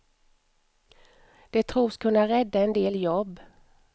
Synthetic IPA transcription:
d̪̥ɛt̪ʰɾuːskʰɵnːaɾɛd̪ːaɛnd̪eːljɔbː

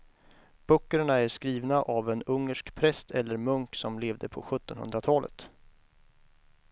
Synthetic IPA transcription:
b̥œkːəɳaæʂkɾiːvnaʔavɛnɵŋːəʂkpʰɾɛst̪ʰɛlːəɾmɵŋksɔmleːvd̪əpʰɔ̰ɧɵt̪ːɔnhɵ̰nd̪ɾat̪ʰɑːlə̰t̪

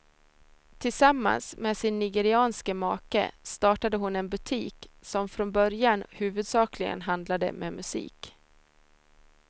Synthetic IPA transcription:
t̪ʰɪlsamːa̰nsmeːsɪnːɪɡɛɾɪɑːnskəmɑːkə̰st̪ɑːʈad̪əɦʊnɛnbɵt̪ʰiːksɔmfɾɔnbœɾjanhʉ̟ːvɵd̪sɑːklɪɡə̰nɦand̪lad̪ə̰mʔḛːmɵsḭːk

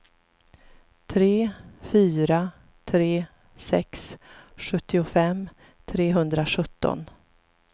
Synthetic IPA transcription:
t̪ʰɾeːfyːɾa | t̪ʰɾeː | sɛ̰ksɧɵt̪ːɪʊfɛm | t̪ʰɾeːɦɵnd̪ɾaɧɵt̪ːɔ̰n

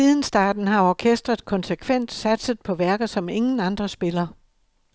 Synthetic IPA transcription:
iðˠn̩sd̥ɑ̰̈ːd̥n̩ɦɑ̈ɒkʰesd̥ʁɐðˠkʰɒ̽nsekʰʋen̰d̥sæd̥səð̩ˠpʰɒ̽ʋæɐɡ̥ð̩ˠsɒ̽me̝ŋn̩ɑ̈nd̥ʁɐsb̥e̝lɐ

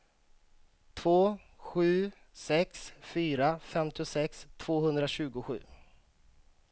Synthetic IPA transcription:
t̪ʰvoː | ɧʉ̟ː | sɛksfyːɾafɛmt̪ɪʊsɛkst̪ʰv̥oːhɵnd̪ɾaɕʉ̟ːɡʊɧʉ̟̰ː

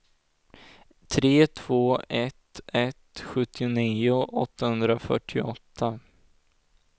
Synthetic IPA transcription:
t̪ʰɾeːt̪ʰv̥oːʔɛt̪ɛt̪ɧɵt̪ʰːɪʊniːʊʔɔt̪ːahɵnd̪ɾafœ̰ʈʰːɪɔt̪ʰːa

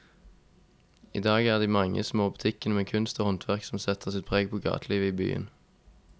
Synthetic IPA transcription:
iːd̪ɑːɡæːʁd̪iːmɑŋə̰smoːbʉt̪ʰɪkənəmeːkʰʉnst̪oːhɔnt̪ʰʋæʁksɔm̩sɛt̪ʰəʁsɪt̪̚pʰʁeːɡ̚pʰoːɡɑ̰ːt̪ʰliːʋəiːby̰ːə̰n

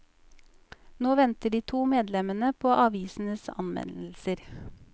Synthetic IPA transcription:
noːʋɛnt̪əɖiːt̪ʰuːmeːd̪lɛmənəpʰoːʔɑʋiːsn̩əsɑ̰nʋɛ̰nl̩səɾ

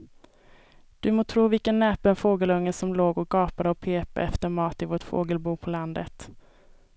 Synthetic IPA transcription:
d̪̥ɵmoːt̪ʰɾuːvɪlkənːɛːpənfoːɡəlɵŋːəsɔmloːɡɔk̚ɡɑːpad̪əɔpʰeːpa̰ʔɛft̪əɾmɑːt̪ɪvoːʈfo̰ːɡəlbuːpʰɔland̪ət̪

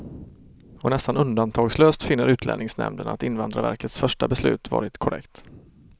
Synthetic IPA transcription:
ɔnɛst̪anɵnd̪ant̪ʰɑːɡsløːst̪fɪnːəɾʉ̟ːt̪ʰlɛ̰nɪŋsnɛ̰md̪əna̰t̪ɪnvand̪ɾaɾvæ̰ɾkət̪sfœʂʈabɛslʉ̟̰ːt̪vɑ̰ːɾɪt̪kʰʊɾɛ̰kt̪

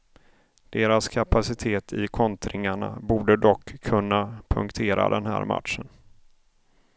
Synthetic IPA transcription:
d̪̥eːɾaskʰapasɪt̪ʰeːt̪ʰɪkʰɔnt̪ʰɾʔɪŋaɳa̰buːɖəd̪ɔkʰːɵnːapʰɵŋkt̪ʰeːɾa̰d̪ɛnɦæ̰ːɾma̰tʂən

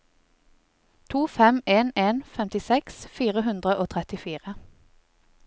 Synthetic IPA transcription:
t̪ʰuːfɛmeːneːnfɛmt̪ɪsɛksfiːʁəɦʉnd̪ʁəʔoːt̪ʰʁɛt̪ɪfiːʁə

